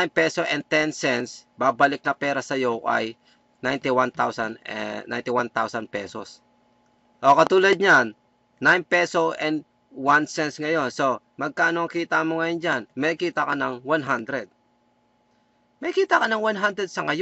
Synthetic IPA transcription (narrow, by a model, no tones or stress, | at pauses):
ajnpɛsoʔɛn̚t̪ɛnsɛnsbaːbalɪk̚nɐpɛːɾɐsɐjoʔa̰j | najnt̪ɪwant̪awsannːa̰jnt̪ɪwant̪awsɐnpɛ̰ːso̰s | ʔokɐt̪uːlɐd̪̚ɲanː | ajnpɛsoʔɛnd̪ | wansɛnsŋɐjo̞nso̞ | mɐɡ̚kaːʔɐnoɐŋkiːt̪ɐmoŋɐjond͡ʒanmɐkiːt̪ɐkɐnɐŋwanɦand̪ɾɛd̪̚ | mɐkiːt̪ɐkɐnɐŋwanɦand̪ɾɛd̪̚sɐŋɐj